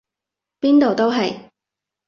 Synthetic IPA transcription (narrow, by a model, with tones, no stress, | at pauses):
piː˥nt̪o˨wt̪o˥wɦɐ˨j